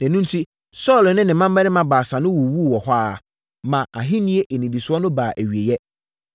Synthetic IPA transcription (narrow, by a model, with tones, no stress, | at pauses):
næ̃˨nũ˦n˦tʰi˦ | sɔ˦˨lnɪ̃˦nɪ̃˨mã˦mː˦ɛ˦ɪ̃˦mã˦baː˨sã˨nʊ̃˦wɔ˨wu˦˨wɔ˨hʷa˦˨ | mã˨a˨ɦɪ̃˦nĩ˦e˦ʔe˨nĩ˨di˨sʊ˦ɔ˦nʊ̃˦baː˨ʔæ˨ɥi˨e˨jɛ˦